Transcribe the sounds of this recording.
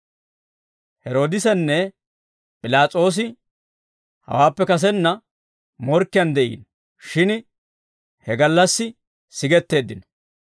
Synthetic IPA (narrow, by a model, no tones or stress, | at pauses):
hɛɾo̞ːd̪ɪsɛnːɛ | pʼɪlaːt͡sʼo̞ːs̬ɪ | hɐ̰waːpːɛkɐs̬ɛnːɐ | mɔɾkːɪjɐnd̪ɛʔḭːn | ʃɪn | hɛɡɐlːɐsːɪ | sɪɡɛt̪ːe̞ːd̪ːɪnɔ̥